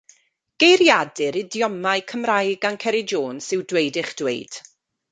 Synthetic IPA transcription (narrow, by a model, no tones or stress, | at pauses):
ɡ̥ejɾjadɨɾɪdjɔmajkʰəmrajɡankʰɛɾɪd͡ʒoːnsɨwdwejdɪχd̥wḛjd̥